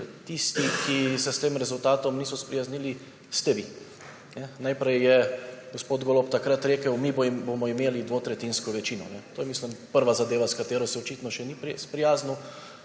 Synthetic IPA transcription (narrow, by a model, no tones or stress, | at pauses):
t̪ist̪ikisɛst̪eːmɾɛzult̪aːt̪ɔmniːsɔspɾijazniːli | st̪ɛʋi | nɛnajpɾɛjːɛɡospoːd̪ɡoːlɔpt̪akɾat̪ɾeːkəwmibbomɔimeːlid̪ʋoːt̪ɾɛt̪inskɔʋɛt͡ʃiːnɔ̰nɛt̪oːjɛmislimpəɾʋazad̪eːʋaskat̪eːɾɔsɛɔt͡ʃiːt̪nɔʃɛnipspɾijaːzni